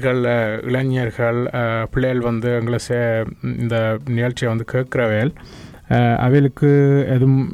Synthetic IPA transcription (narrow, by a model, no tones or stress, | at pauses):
ɣɐɭɪ̰ɭɐɲɐɾɣɐɭpɪɭːɐjɐlʋɐnd̪ɯɐŋɡɐɭɐseɪ̰nd̪ɐnɪjɐɭt͡ʃːɪjɐʋɐnd̪ɯkeːʈkɪɾɐʋeːl | ɐ̰ʋeːlɯkːɯɛðɯm